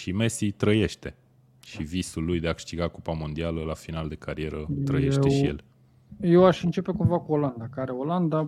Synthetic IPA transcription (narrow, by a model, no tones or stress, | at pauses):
ʃime̞sit̪ɾəje̞ʃt̪e̞ | ʃivisulːujd̪e̞akɨ̥ʃt̪iɡakopamo̞nd̪ialəlafinald̪e̞kʰaɾie̞ɾət̪ɾə̰je̞ʃt̪eʃije̞̰l | jewaʃɨnt͡ʃe̞pe̞kumvakuoland̪akaaɾeoland̪a